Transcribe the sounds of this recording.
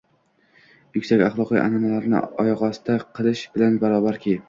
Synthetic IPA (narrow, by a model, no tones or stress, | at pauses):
jʊkʲsakʲaχlˠɒqḭjʔa̰namalaɾnɪ̰ɒjɒʁɒst̪aqʰɨlˠɪʃbɪlanbaɾɒbaɾkʲʰi